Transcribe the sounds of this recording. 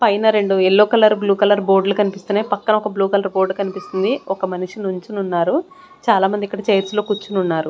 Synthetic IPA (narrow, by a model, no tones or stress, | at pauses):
pɐjnɐɾe̞ɳɖuelːoːkɐlɐɾbluːkɐlɐɾbo̞ːɾɖlukɐnipist̪unapɐkːɐnɐɔkɐbluːkɐlɐɾbo̞ːɾɖkɐnipist̪und̪iɔkɐmɐnuʂinuɲt͡ʃinunːaːɾu | t͡ʃaːlaːmɐnd̪ikːɐɽɐt͡ʃɐjɐɾslo̞ːkut͡ʃːununːaːɾu